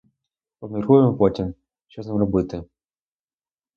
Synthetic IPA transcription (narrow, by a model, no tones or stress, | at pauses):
pɔbmʲirkujemɔpɔtʲim | ʃt͡ʃɔznamrɔbɪt̪ɪ